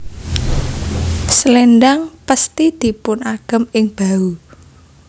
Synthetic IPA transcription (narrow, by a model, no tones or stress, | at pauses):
slɛnɖaŋpəst̪id̪̥i̤pʊnaɡ̥ə̤mɪŋb̥a̤u